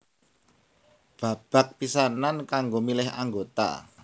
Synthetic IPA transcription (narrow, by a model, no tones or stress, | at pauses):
b̥a̤b̥a̤k̚pisanankaŋɡomilɪha̰ŋɡot̪a̰